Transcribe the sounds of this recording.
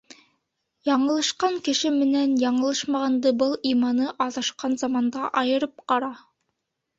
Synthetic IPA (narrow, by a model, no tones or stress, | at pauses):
jɑɴɤ̆lˠɑʃqɑŋkɘ̆ʃɘmɘ̆nænjɑɴɤ̆lˠɤʃmɑʁɑnd̪ɤbɤlˠimɑnɤʔɑðɑʃqɑnzɑmɑnd̪ɑʔɑjɤ̆ɾɤp̚qɑɾɑ